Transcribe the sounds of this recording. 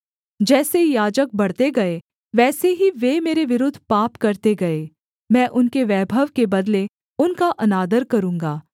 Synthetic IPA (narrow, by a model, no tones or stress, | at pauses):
d͡ʒɛːsejaːd͡ʒək̚bɐɽt̪eɡɐe | ʋɛːseɦiʋemeːɾeʋɪɾʊd̪ʱːpaːpkɐɾt̪eɡɐeː | mɛ̃ːʔʊnkeʋɛːbʱəʋkebɐd̪le | ʊnkaʔɐnaːd̪əɾkɐɾũːŋɡaː